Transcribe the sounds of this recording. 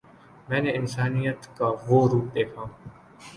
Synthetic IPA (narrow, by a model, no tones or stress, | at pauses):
mɛ̃ːneːɪnsaːnijət̪kaːʋoːɾuːpeːkʰãː